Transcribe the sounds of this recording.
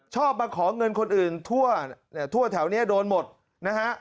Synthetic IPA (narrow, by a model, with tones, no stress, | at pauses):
t͡ɕʰɔː˥˩p̚maː˧kʰɔː˩˦ŋɤ˧nkʰo˧nʔɯː˨˩nt̪ʰu˥˩ɐn˦˥˩t̪ʰu˥˩ɐt̪ʰɛ˩˦wni˦˥ɐdoː˧nmo˨˩t̪̚ | na˦˥kʰa˦˥ʔ